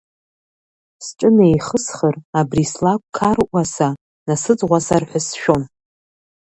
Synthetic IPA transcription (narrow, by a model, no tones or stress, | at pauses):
sʈ͡ʂʼɨnejχəsχərabrislakʷʼkʰarʔʷasa | nasɨd͡zʁʷasarħʷᶣasʃᶣon